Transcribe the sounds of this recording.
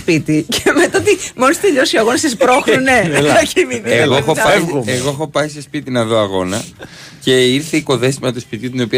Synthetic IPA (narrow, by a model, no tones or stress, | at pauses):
spit̪iceme̞t̪aot̪imonist̪eʎo̞sioɐɣo̞nɐsespɾo̞xnuneɐciminieɣoxoeɣo̞exo̞pɐisespit̪inɐðo̞ɐɣo̞nɐ | ce̞iɾθeiko̞ðe̞simɐt̪ospit̪iut̪ino̞piɐ